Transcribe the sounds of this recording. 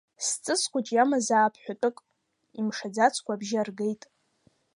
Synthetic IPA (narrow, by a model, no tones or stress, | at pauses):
st͡sʼɨsʰkʷʰʼat͡ʃʼjamazaːpʰħʷᶣatʼɨkʼ | imʂad͡zat͡sʰkʷabʒɪarɡejtʼ